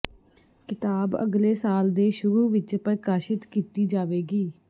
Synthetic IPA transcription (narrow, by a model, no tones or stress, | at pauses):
kɪt̪aːbə̰ɡleːsaːld̪eːʃʊɾuːʋɪt͡ʃpɾkaːʃɪt̪kiːt̪iːd͡ʒaːʋeːɡiː